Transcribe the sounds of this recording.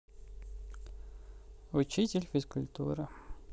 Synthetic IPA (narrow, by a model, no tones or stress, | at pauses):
ʊt͡ɕitʲɪlʲfʲɪskʊlʲt̪ṵɾɨ